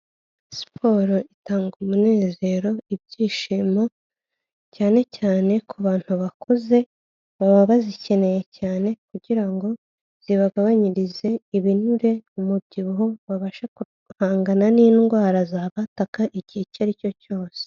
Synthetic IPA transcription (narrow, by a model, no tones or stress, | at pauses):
si̥pʰo̞ːɾoitaːŋɡumune̞ːze̞ɾo̞ib̚ɟiːʃiːmo̞ | caːne̞caːne̞kʰuβaːn̥huβakʰoze̞ | βaβaβazice̞ne̞je̞caːne̞kuɟiɾaŋɡo̞ | z̥iβaɡaβaɲiɾize̞iβinuɾe̞umub̚ɟiβuɦo̞βaβaʃaku | haːŋɡananiːnɡwaːɾazaːβatakaʔiɟicaɾico̞co̞ːse̥